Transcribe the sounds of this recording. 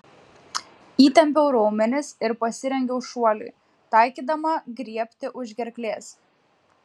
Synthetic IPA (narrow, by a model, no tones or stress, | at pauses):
iːt̪ʲɛmʲpʲɛʊɾoːmʲɛnʲɪsɪɾpɐsʲɪɾʲɛŋʲɡʲɛʊʃuɔlʲṵː | t̪ɑˑɪkʲiːd̪ɐmɐɡɾʲiɛpʲt̪ʲɪʔʊʒʲɡʲɛɾʲklʲeːs